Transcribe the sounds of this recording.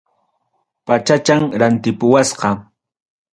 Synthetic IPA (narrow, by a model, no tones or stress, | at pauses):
pat͡ʃat͡ʃaŋɾant̪ɪpʊwasqɑ